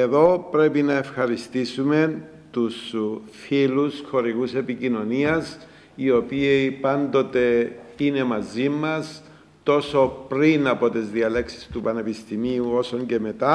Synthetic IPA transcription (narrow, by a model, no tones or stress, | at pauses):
eðo̞pɾe̞pinɐefxɐɾist̪isume̞ | t̪usfilusxo̞ɾiɣuse̞picino̞niɐs | io̞piipɐnd̪o̞t̪e̞ine̞mɐzimɐs | t̪o̞so̞pɾinɐpo̞t̪ezðiɐle̞ksi̥st̪upɐne̞pist̪imiuo̞soɲɟe̞me̞t̪ɐ